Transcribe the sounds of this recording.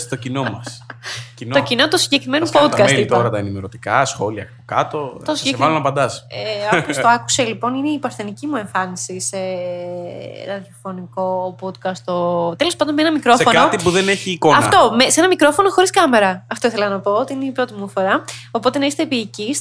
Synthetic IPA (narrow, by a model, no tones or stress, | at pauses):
t̪ocinomɐsinocino̞t̪osiɲɟekɾime̞nopod̪kɐsit̪ɐɾɐt̪ɐenimeɾot̪i̥kɐsxo̞liɐ̰kpokɐ̰t̪o̞t̪osɲɟeekɐlonɐpɐnd̪ɐseopost̪oɐku̥selipo̞nineipɐɾθenicimue̞ɱfɐnisise | ɐðjɐfo̞niko̞pod̪kɐst̪ot̪elo̞spɐnd̪onmeenɐmikɾo̞sefonkot̪ipuðeneçiːko̞ɐnfɐ̰t̪o̞meseenɐmikɾo̞fo̞noxoɾiskɐme̞ɾɐɐft̪oiθe̞lɐnɐpo̞ot̪iineipɾo̞t̪imufo̞ɾɐo̞po̞t̪e̞nɐist̪epiːcis